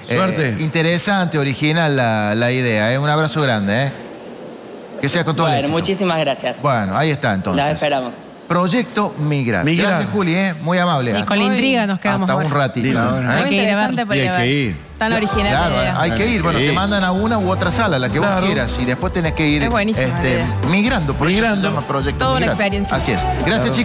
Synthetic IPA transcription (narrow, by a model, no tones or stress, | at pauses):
eɾt̪eint̪eɾesant̪eoɾixinalːalaiðeaesunaβɾasoɣɾand̪ee | keseakont̪oenmut͡ʃisimazɣɾasjasbwenoaiest̪aent̪onlosseeseɾamos | pɾoʒek̚t̪omiɣɾa̰tɡɾasjasxuljemujamaβlekonlint̪ɾiɣanoskeðamot̪aunrat̪it̪ajeiɾaant̪epajeiɾ | t̪anoɾixinalaɾoaajkeiɾbwenott̪emãnd̪anaunaoot̪ɾasalalakeβojeɾasiðepweht̪enehkeiɾwenisest̪e | miɣɾand̪opɾoɣɾand̪opɾoʒek̚t̪oðunaeakspeɾjensjasiesɡɾasjast͡ʃi